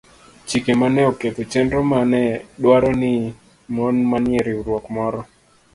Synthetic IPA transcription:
t͡ʃikemanɛɔket̪ot͡ʃɛndɔmanɛɗwaɾɔnɪ | mɔnmanjeɾiuɾwɔkmɔɾɔ

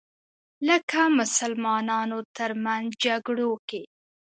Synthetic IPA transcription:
ləkamʊsalmɑnɑnot̪əɾmanzd͡ʒaɡɽoke

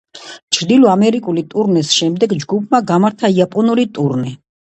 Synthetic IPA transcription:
t͡ʃʰɾd̪ilɔamɛɾikʼulit̪ʼuɾnisʃɛmd̪ɛɡd͡ʒɡupʰmaɡamaɾt̪ʰaiapʼɔnuɾit̪ʼuɾnɛ

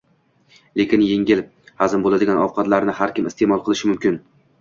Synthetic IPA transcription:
le̞kʲɪnjeŋʲɪl | hazɪmbolˠad̪ɪɡʲanɒvqʰɑt̪laɾnɪhaɾkʲɪmɪst̪e̞mɒlˠqʰɨlˠɪʃɪmʊmkʲɪn

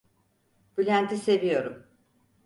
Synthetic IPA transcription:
bylʲænt̪ʰise̞vijo̞ɾum

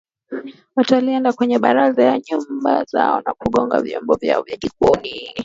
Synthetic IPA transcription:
wataliɛndakwɛɲɛɓaɾazajaɲumbaza̰ɔnakuɠɔŋɡa̰vjɔmbɔvja̰ɔvjaʄikɔni

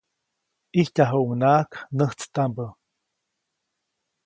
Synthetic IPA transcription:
ihcaɦuʔuŋnaːknəht͡st̪ambə

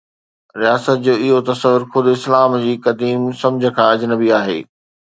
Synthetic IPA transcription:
ɾijaːsət̪̚d͡ʑoːɪɦot̪ɐsəʋʊɾxʊd̪ɪslaːmd͡ʑiːkɐd̪iːmsɐ̃md͡ʑʱə̆kʰãːɐd͡ʑnəbiaːɦḛː

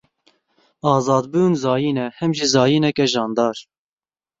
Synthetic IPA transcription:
ɑːzɑːd̪buːnzɑːjiːnɛhɛmʒizɑːjiːnɛkɛʒɑːnd̪ɑːɾ

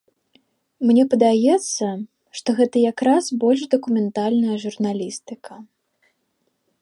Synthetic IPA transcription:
mnʲɛpɐd̪ajɛt̪sːɐ | ʂt̪ɔɣɛt̪ɐjakɾasbɔlʲʂd̪ɐkumʲɛnt̪alʲnɐjɐʐurnalʲist̪ɨkʰɐ

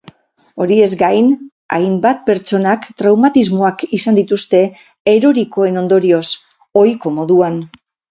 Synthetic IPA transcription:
o̞ɾie̞zɡajn | a̰jmbat̪̚pe̞ɾt͡so̞nakt̪ɾawmat̪izmo̞akisand̪it̪ust̪e̞ | eɾo̞ɾiko̞e̞no̞nd̪o̞ɾio̞s | o̞jko̞mo̞ðuan

